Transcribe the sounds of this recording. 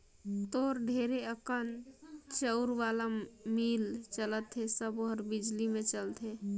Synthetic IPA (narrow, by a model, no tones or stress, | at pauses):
t̪oɾɖʱeɾeəkənt͡ʃəuɾʋalamilt͡ʃələt̪ɦesəboɦəɾbid͡ʒlimet͡ʃəlt̪ʰe